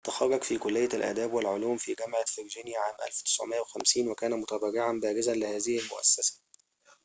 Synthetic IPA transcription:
t̪axɑrˤːɑɡfiːkʊlːɪjːælʔæ̰ːd̪æːbwɪlʕʊluːmfiːɡæmʕafɪɾʒiːnjaʕaːmʔæ̰lfwt̪ɪ̥sʕ̰mɪʔːæwexæmsiːnwækæːnæmʊt̪æbɑɾɪʕanbæːɾɪzænlɪhæːzɪhɪlmʊ̰ʔæ̰sːæsḁ

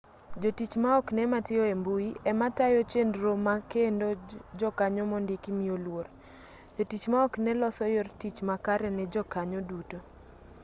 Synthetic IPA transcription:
d͡ʒotit͡ʃmaɔknɛmatɪɔembuiɛmatajot͡ʃendɾomakendod͡ʒɔkaɲɔmɔndɪkimiolwor | d͡ʒotit͡ʃmaɔknɛlɔsɔjortit͡ʃmakaɾɛnɛd͡ʒɔkaɲɔduto

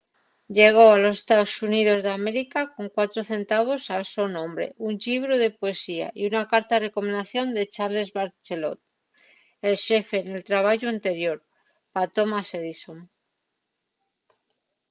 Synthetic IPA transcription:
ʎe̞ɣ̞o̞alo̞sest̪aosuniðo̞zðeameɾikako̞ŋkwat̪ɾoθe̞nt̪aβ̞o̞salsonõ̞mbɾe̞̰ʔuɲʎiβ̞ɾoðe̞poe̞sia̰iunakaɾt̪are̞komend̪aθjo̞nd̪e̞t͡ʃaɾle̞zβaɾt͡ʃelo̞̰t̪̚ | elʃe̞fe̞ne̞lt̪ɾaβ̞aʝoant̪e̞ɾjo̞ɾ | pat̪o̞maseðisom

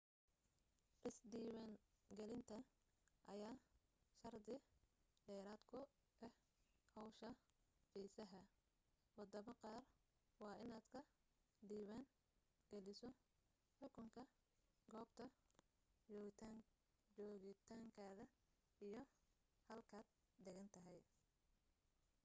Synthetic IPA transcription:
ʔɪsd̪iːwaːŋɡɛlɪnt̪ʰɐ | ʔɐjaːʃɐrd̪ɪɖɛːɾaːd̪kʰʊ | ʔɛh | hɔwʃɐfiːsɐɦɐ | wɑd̪ɐmɐqɑːr | wɑːʔɪnaːd̪kʰɐ | ɖiːβan | ɡ̥ɛlɪsɔ | ħʊkʰʊŋkʰɐ | ɡɔːbt̪ʰɐ | t͡ʃɔːɣɪt̪ʰaːŋ | t͡ʃɔːɣɪt̪ʰaːŋkʰaːðɐ | ijɞ | hɐlkʰaːd̪̚ | d̪ɛɣɐnt̪ʰɐɦɛj

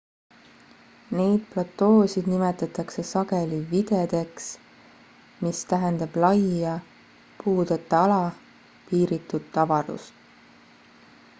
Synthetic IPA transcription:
ne̞jd̪̥̚plɑt̪ːˑo̞ːsid̪nimet̪ːˑɑt̪ːˑɑkse̞sɑɡe̞livid̪̥ed̪̥e̞ks | mist̪æɦend̪̥ɑb̥lɑjɑ | puːd̪̥et̪ːˑɑlɑ | piːɾit̪ːˑud̪̥t̪ːɑvɑɾṵst̪

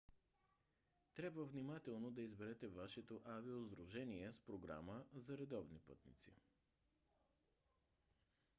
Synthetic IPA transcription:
t̪ɾʲabvəvnimat̪ɛlˠnod̪ɐizbɛɾɛt̪ɛvaʃɛt̪oʔaviozd̪ɾuʒɛniɛspɾoɡɾa̰məzɐɾɛd̪ɔvnipɤt̪nḭt̪sḭ

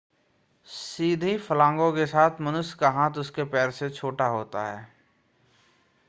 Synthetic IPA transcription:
siːd̪ʱifəlãːŋɡõkesaːt̪ʰmənʊskaɦãːt̪ʊskepɛːɾset͡ʃʰoːʈaɦoːt̪a̰ɦɛ̰ː

